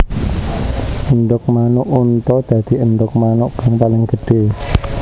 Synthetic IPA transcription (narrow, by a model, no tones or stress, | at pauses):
ʔənɖʊk̚manʊʔunt̪ɔd̪̥a̤d̪̥i̤ʔənɖʊk̚manʊʔɡaŋpalɪŋɡ̥əɖ̥e̤